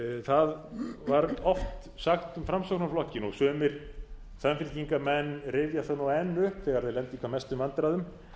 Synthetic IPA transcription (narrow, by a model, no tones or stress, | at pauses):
θaðvaɾɔft̪ | saxt̪ʏmfɾamsɔwknaflɔhcːɪnɔɣsœːmɪɾ̥ | samfɪlc̪iŋkamɛnːɾɪvjaθanuwɛnːʏhpθɛːɣaɾθeðlɛnt̪ikʰaɾmɛst̪ʏmant̪ɾaðʏm